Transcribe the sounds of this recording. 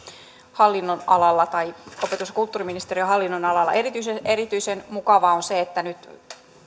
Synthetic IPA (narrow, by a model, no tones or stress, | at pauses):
hɑlːinːonɑlɑlːɑt̪ɑiopet̪usɑkult̪ːuːriminist̪eriøɦɑlːinːonɑlɑlːɑ̰ʔerit̪yiseeɾit̪yisenmukɑʋɑonseet̪ːænyt̪